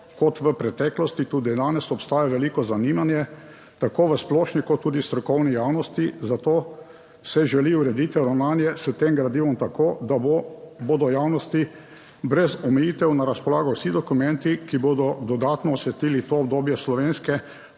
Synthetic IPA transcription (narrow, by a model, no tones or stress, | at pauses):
kɔt̪ʋəpɾɛt̪ɛklɔst̪it̪uːd̪id̪aːnɛsɔpst̪aːjaʋɛliːkɔzanimanjɛ | t̪akoːʋəsplɔːʃnikɔt̪ːuːd̪ist̪ɾɔkɔwnijawnɔst̪izat̪oː | sɛʒɛliuɾɛd̪iːt̪ɛɾawnaːnjɛsət̪emɡɾad̪iːʋɔmt̪akoːd̪aboboːd̪ɔjaːwnɔst̪i | bɾɛzɔmɛjiːt̪ɛwnaɾaspɔlaːɡɔwsid̪ɔkumɛnt̪ikiboːd̪ɔd̪ɔd̪at̪nɔːsɛt̪iːlit̪oːb̚d̪oːbjɛslɔʋeːnskɛ